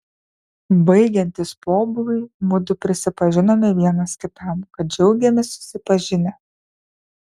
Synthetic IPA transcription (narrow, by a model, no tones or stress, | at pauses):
bɐɪɡʲɛnʲt̪ʲɪspoːbʊlʲˠʊɪmʊd̪ʊpʲɾʲɪsʲɪpɐʒʲɪnoːmʲɪʋʲiɛnɐskʲɪt̪ɐˑmkɐt̪̚d͡ʒʲɛʊɡʲɛmʲɪsʊ̥sʲɪpɐʒʲɪnʲɛ